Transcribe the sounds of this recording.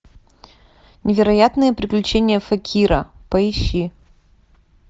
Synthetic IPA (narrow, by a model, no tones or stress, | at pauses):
nʲɪvʲɪɾɐjat̪nɨjəpɾʲɪklʲʉt͡ɕenʲɪjəfɐkʲʰiɾə̰pəɪɕːi